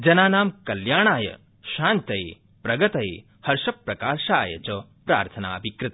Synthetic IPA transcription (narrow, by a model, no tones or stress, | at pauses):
d͡ʒɐnaːnaːmkɐljaːɳ̃aːjɐ̰ | ʃaːnt̪ɐe | pɾɐɡɐt̪ɐḛ | hɐɾʃɐpɾɐkaːɾʃaːjɐ̰t͡ʃɐ | pɾa̰ːɾt̪ʰɐna̰ːɐbʱikɾɪt̪ɐ